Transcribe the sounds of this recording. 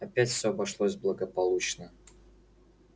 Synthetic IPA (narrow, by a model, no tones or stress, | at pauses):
ɐpʲætʲfʲsʲoɐbɐʂlˠosʲblˠəɡəpɐlˠut͡ɕnə